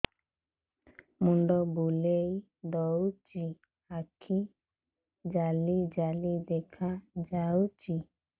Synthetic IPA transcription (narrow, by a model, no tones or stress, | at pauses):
muɳɖɔbulei | dɔwt͡ʃi | akʰi | d͡ʒalid͡ʒalid̪ɛkʰad͡ʒaut͡ʃi